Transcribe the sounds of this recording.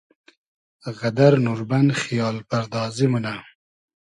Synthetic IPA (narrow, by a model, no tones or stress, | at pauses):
ɣad̪aɾnuɾbanxijɑːlpaɾd̪ɑzimuna